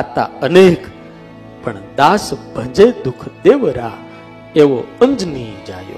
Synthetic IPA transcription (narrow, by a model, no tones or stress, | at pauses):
at̪a̰ənek | pəɳd̪aːsbʱə̃d͡ʒed̪ukʰd̪eʋɾa | eʋoə̃ɲd͡ʒnid͡ʒajo̰